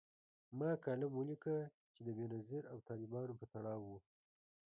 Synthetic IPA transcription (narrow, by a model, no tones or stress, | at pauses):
mɑkɑlamwəlikə | t͡ʃed̪əbenaziɾawt̪ɑlɪbɑnopət̪aɽɑwːu